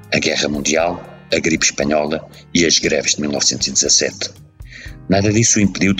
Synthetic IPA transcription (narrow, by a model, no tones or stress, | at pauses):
ɐɣɛʁɐmũnd̪ialˠ | ɐɣɾipʃpɐɲɔlˠɐ | iɐʒɣɾɛvʒðmilˠnɔ̰vsẽnt̪uz̥iðɨzɐsɛ̰t̪ | naðɐðisuĩmpɨðiw